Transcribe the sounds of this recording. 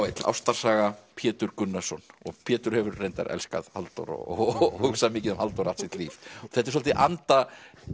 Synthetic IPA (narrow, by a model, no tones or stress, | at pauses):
wejt̪la̰wst̪ḁsaːɣapʰjɛːt̪ʏɾkʏnːasɔnɔ̰ɣpʰjɛːt̪ʏɾ̥hɛvʏɾːejnt̪a̰ɾɛ̰lska̰ðhalt̪ɔ̰ɾɔ̰ɔhuksamiːcɪðʏmhalt̪ɔwɾaht̪sɪt̪liːfɔ̥ɣθɛt̪ɛɾs̬ɔlt̪ɪʔant̪a